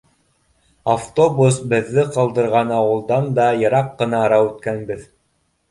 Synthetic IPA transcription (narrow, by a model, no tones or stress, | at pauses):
aft̪obusbɘ̆ðːɘqɑlˠd̪ɤ̆ɾʁɑnɑwɤ̆lˠd̪ɑnd̪ɑjɤ̆ɾɑqːɤ̆nɑːɾɑʉt̪kænbɘð